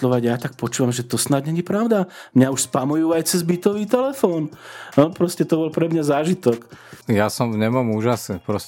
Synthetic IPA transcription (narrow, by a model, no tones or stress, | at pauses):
lɔʋaɟjaːt̪ak̚pɔt͡ʃuːʋamʒɛt̪ɔsnaɟɲɛɲipɾaʊd̪amɲauʃspamɔjuːajt͡sɛzbit̪ɔʋiːt̪ɛlɛfɔːnɔpɾɔscɛt̪ɔbɔlpɾɛmɲazaːʒit̪ɔkjasɔmvɲɛmɔmuːʒasnipɾɔs